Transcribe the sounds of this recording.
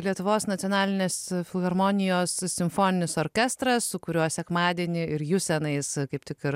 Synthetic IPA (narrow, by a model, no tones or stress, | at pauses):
lʲiɛt̪ʊʋoːsnɐt̪ʲoːnɑːlʲɪnʲeːsfʲɪlˠɣɐɾmoːnʲɪjoːssʲɪmfoːnʲɪnʲɪsoːɾʲkʲɛst̪ɾɐssʊkʊɾʲuɔsʲɛkmɑːd̪ʲiɛnʲɪɪɾjusʲɛnɐɪskɐɪpt̪ʲɪkɪɾ